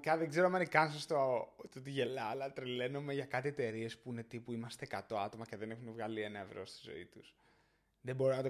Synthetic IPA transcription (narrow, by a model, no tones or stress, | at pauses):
cɐðeɡze̞ɾoɐmɐnikɐnsɐst̪ot̪ot̪iʝe̞lɐːlɐt̪ɾile̞nome̞ʝɐkɐt̪ie̞t̪e̞ɾie̞spuinet̪ipuimɐst̪ekɐt̪o̞ɐt̪o̞mɐce̞ðe̞ne̞xunevɣɐlie̞nɐe̞vɾo̞st̪i̥zo̞̰it̪us | ðebo̞ɾinɐt̪o